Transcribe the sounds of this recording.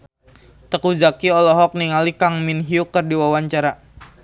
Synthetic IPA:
t̪əkuzakiɔlɔɦɔk̚niŋalikaŋminɦiukːərdiwawaɲt͡ʃaɾa

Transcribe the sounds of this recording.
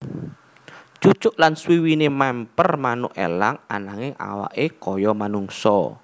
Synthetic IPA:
t͡ʃut͡ʃʊʔlanswiwinemɛmpərmanʊ̰ʔḛlaŋa̰naŋɪŋʔa̰wa̰ʔekɔjɔmanuŋsɔ̰

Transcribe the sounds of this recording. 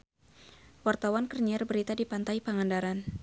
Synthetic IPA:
wart̪awankərɲiarbəɾit̪adipant̪ajpaŋandaɾan

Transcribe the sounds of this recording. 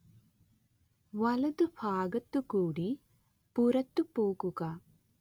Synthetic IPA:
ʋɐlɐd̪upʰaːɡɐt̪ːukuːɽi | puɾɐt̪ːupuːkuka

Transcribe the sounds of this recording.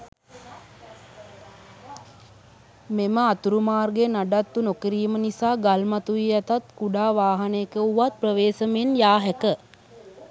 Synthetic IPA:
meməat̪uɾumaːrɡenaɖat̪ːunokiɾiːmənisaːɡalmat̪uʋiɛt̪at̪kuɖaːʋaːɦanekəuʋat̪̚prəʋeːsəmenjaːɦɛkə

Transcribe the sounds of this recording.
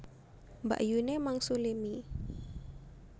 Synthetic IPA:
mba̰ʔjunemaŋsulemi

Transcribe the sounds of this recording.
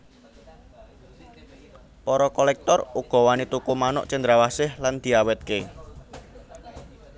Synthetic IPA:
pɔɾɔkɔlɛk̚t̪ɔruɡ̥ɔ̤wanit̪ukumanʊ̰ʔt͡ʃənd̪ɾawasɪhland̪̥i̤awɛt̪̚ke

